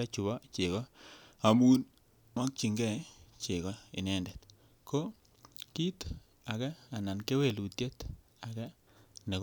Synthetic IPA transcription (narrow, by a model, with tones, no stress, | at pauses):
ɛ˦t͡ʃu˨bɔ˦t͡ʃɪ˨ɣɔ˦a˨mu˦n | mwa˦k̚t͡ʃi˨ŋɡɛ˦˨t͡ʃɪ˨ɣɔ˦ɪ̰˨nɛ˦ndɛ˨t | ko˦ | ki˦t | a˨kɛ˦a˨na˨nke˦we˨lu˨tje˦t | a˨kɛ˦ | nɛ˨k